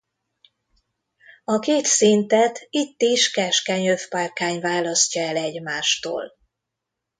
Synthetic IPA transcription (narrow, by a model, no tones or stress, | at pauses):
ɒkeːt̪sint̪ɛt̪it̪ːiʃkɛʃkɛɲøfparkaːɲvaːlɒscɒɛlɛɟmaːʃt̪o̰ːl